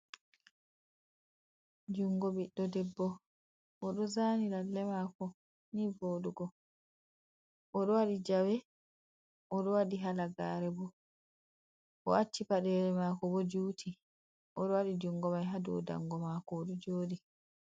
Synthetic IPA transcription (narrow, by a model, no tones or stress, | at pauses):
d͡ʒuŋɡɔbiɗːɔdɛbːɔ | ʔɔɗɔzaːniɾalːɛmaːkɔ | nivoːduɡɔ | ʔɔɗɔwaɗid͡ʒawɛ | ʔɔɗɔwaɗiɦalaɡaɾɛbɔ | ʔɔʔat͡ʃːipaɗɛlɛmakɔbɔd͡ʒutʰi | ʔɔɗɔwaɗid͡ʒuŋɡɔmajɦaduɔ̰da̰ŋɡɔmaːkɔːɗɔd͡ʒoːɗi